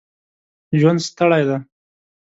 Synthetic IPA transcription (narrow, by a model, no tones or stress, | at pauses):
ʒwand̪st̪əɽajd̪a